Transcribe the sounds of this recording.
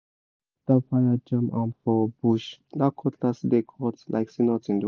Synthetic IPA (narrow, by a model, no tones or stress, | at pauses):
d̥afajad͡ʒãmã̰nfɔbuʃd̪akʰɔtlasdekʰɔtlʔa̰ɪksinɔtĩndi